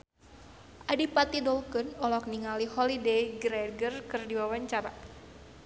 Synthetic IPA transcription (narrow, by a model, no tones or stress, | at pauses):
ʔadipat̪idɔlkɨnɔlɔk̚niŋalihɔlidejɡɾɛɡərkɨrdiwawaɲt͡ʃaɾa